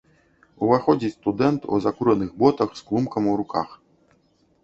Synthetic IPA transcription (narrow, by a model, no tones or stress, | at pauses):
uvaxɔd͡zʲit͡sʲst̪ud̪ɛnt̪ṵzakuɾɐnɨɣbɔt̪ɐxsklˠumkɐmuɾuka̰x